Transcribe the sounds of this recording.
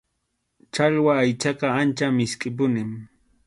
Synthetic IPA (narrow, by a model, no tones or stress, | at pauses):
t͡ʃaʎwaːjt͡ʃɑqɑant͡ʃamɪskʼɪp̬ʊnɪm